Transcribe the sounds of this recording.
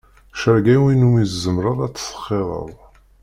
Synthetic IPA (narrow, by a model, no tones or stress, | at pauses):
ʃəɾɡæwinumizzəmɾˤəðˤæt͡sːə̥sə̥χːeðˤə̰ðˤ